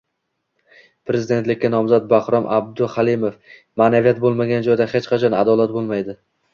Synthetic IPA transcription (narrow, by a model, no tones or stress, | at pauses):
pʰɾe̞zɪd̪e̞nt̪lɪkʲːanɒmzat̪̚bahɾɒmʔab̚d̪ʊhalˠimof | manavijat̪̚bolˠmaɡʲand͡ʒɒjd̪ahet͡ʃqʰɑt͡ʃʰɒnad̪ɒlat̪̚bolˠmajd̪ɪ